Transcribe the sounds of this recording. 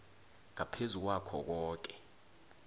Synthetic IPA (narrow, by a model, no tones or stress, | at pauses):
ŋapʰezuk̬wakʰɔ̰k̬ɔːk̬ɛ̥